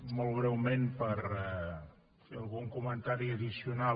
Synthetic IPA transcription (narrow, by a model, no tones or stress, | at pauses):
mɔlˠβɾɛwmenpəɾɛ | feəlˠɣuŋkumənt̪aɾiəðisiuna